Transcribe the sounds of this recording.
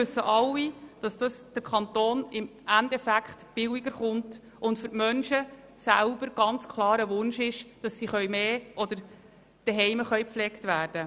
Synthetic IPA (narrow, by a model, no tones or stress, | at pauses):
ʋʉsːəʔɑlːid̥ɑsd̥ɑsd̥əɾkʰɑnt̪oːnɪmʔændɛfækχtb̥ɪwiɡəɾχʊnt | ʊntfʏɾtmœnʃə | sæʊb̥əɾɡ̥ɑnt͡skʰlˠɑːɾəʋʊnʃɪʃd̥ɑsːiχœɥmeːʔɔd̪əɾ | d̥ɛɦɛjməχœjpflɛktʋæːɾd̥ə